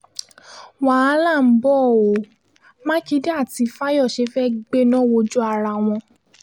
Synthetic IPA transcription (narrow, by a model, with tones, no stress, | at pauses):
w̃a˨a˦la˦˨m̩˦bɔ˦˨o˨˦ | mã˦ki˨˦de˦a˦˨ti˨˧˦fa˦jɔ˦˨ʃe˨˧˦fɛ˦ɡ͡be˦nɔ̃˦wo˧d͡ʒu˦a˧ɾa˧˨w̃ɔ̃˧